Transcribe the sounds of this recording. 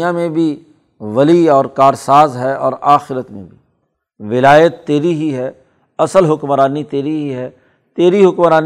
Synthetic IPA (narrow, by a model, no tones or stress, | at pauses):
jãmẽbʱi | ʋɐliɔːɾkaːɾsaːzɦɛɔ̰ːɾaːxɪɾət̪mḛ̃bʱi | ʋɪlaːjət̪ːeːɾiɦiɦɛː | ɐsəlɦʊkmɾaːnit̪eːɾiɦiɦɛ | t̪eːɾiɦʊkmɾaːn